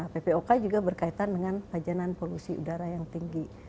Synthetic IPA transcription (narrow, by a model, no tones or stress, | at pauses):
pepeokad͡ʒuɡabərkait̪andəŋanpad͡ʒananpolusiṵdaɾajaŋt̪iŋɡi